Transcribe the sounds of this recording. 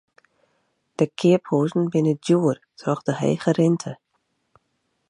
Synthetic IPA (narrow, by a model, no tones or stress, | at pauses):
d̥əkʰɪəphuːzn̩bɪnədjuərtʰrɔxdəɦḛːɣərɪntʰə